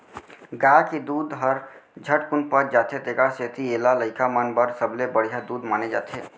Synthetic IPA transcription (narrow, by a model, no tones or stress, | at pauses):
ɡaked̪uːd̪ɦəɾd͡ʒʱəʈkunpət͡ʃd͡ʒaːt̪ʰet̪eːkaset̪ielaləɪkamənbəɾsəblebəɽ̤ijad̪uːd̪maːned͡ʒa̰ːt̪ʰe